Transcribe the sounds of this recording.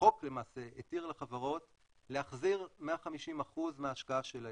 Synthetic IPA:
o̞kle̞maːse̞etiʁleχavaʁo̞t | leaχziʁmeaχamiʃimaχuzmeaːʃkaaʃela

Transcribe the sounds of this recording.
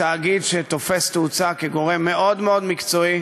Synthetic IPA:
aːɡid̪ʃet̪o̞fe̞st̪eut͡sakeɡo̞ʁe̞mːe̞ʔo̞d̪meo̞d̪mikt͡so̞i

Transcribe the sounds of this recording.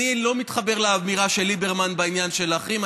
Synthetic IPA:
ilo̞mit̪χabe̞ʁlaamiʁaʃe̞lːibe̞ʁmanbainjanʃe̞laχim

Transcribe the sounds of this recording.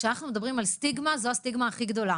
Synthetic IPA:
ʃeanaχnumedabʁimalst̪iɡmazoast̪iɡmaːχiɡd̪o̞la

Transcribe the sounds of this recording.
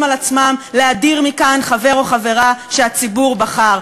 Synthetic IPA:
malat͡smamleadiʁmikanχave̞ʁo̞χave̞ʁaʃeat͡sibuʁbaχaʁ

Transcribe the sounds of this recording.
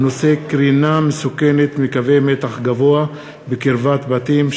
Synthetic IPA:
no̞se̞kʁinamesukenet̪mikave̞jmet̪aχɡavo̞a | bekiɾvat̪bat̪im

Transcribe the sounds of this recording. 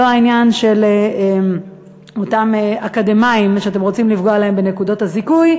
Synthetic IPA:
oainjanʃe̞leem | o̞tameakademaimʃeatemʁot͡simlifɡoalahe̞mbe̞ne̞kudo̞thazikuj

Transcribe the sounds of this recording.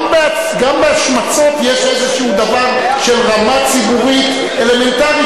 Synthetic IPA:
bea | ɡambeaʃmat͡so̞t̪jeʃezeʃeud̪avaʁ | ʃelʁamat͡sibuʁit̪ | ele̞me̞nt̪aʁi

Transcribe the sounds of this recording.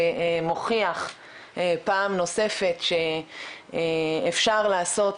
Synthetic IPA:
moχiaχ | paːmno̞se̞fe̞tʃe | efʃaʁlaːso̞t

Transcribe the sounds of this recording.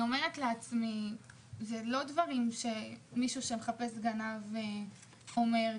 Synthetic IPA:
omeʁetleat͡smi | zelo̞dvaʁimʃe̞miʃuʃe̞meχape̞sɡanav | o̞me̞ʁ

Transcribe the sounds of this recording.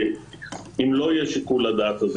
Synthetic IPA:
imlo̞jeʃikulad̪aːt̪az

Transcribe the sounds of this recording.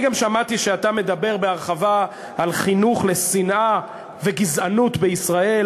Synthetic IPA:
ɡamʃamat̪iʃeatame̞d̪abe̞ʁbeaʁχavaː | lχinuχle̞sinʔa | ve̞ɡizanut̪beisʁae̞l

